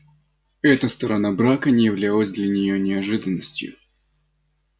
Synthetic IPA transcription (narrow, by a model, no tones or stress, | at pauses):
ɛt̪əst̪əɾɐnabɾakənʲɪjɪvlʲalˠəzʲd̪lʲɐnʲɪjonʲɪɐʐɨd̪ənːəsʲtʲjʊ̰